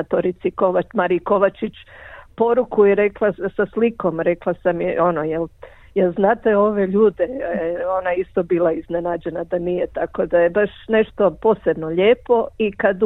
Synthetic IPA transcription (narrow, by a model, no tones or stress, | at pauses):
t̪oɾit̪sikoʋamaɾiko̞ʋat͡ʃit͡ɕpo̞ɾukuiɾe̞klˠasasliko̞mɾeklˠasamjo̞nojel | jelznaːt̪eo̞ʋe̞ʎuːd̪eeo̞naist̪o̞biːlˠaizne̞nad͡ʑe̞nad̪anije̞t̪ako̞d̪ajebaʃne̞ʃt̪o̞po̞ːse̞bno̞ʎeːpo̞ikad̪